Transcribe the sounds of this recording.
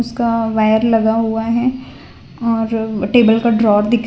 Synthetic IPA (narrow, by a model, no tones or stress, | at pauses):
ʊskaʋaːjəɾlɐɡaɦuaɦɛ | ɔːɾʈeːbəlkaɖɾɔːɾd̪ɪkʰ